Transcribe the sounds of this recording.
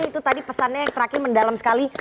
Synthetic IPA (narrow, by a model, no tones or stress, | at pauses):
it̪ut̪adipəsanɲajaŋt̪əɾakɪməndalamsə̥kali